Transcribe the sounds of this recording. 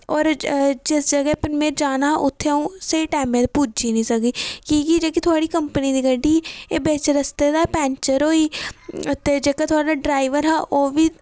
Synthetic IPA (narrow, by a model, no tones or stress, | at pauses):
ɔːɾd͡ʒɪsd͡ʒəɡɦpɪnmeːɾd͡ʒaːnaʔʊt̪ʰːeõseːʈaːmẽt̪puːd͡ʒinĩsəɡiːkiːɡid͡ʒekit̪ʰoaːɽikəmpənid̪iɡəɖiebeːt͡ʃəɾəst̪ed̪apɛ̃ːnt͡ʃəɾoːiːʊt̪ːed͡ʒekat̪ʰoːɽaaɖɾaːɪʋəɾɦaːʔoːbʱi